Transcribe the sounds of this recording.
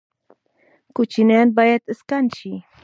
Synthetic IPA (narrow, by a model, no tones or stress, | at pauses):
kʊt͡ʃinanbajat̪əskant͡ʃi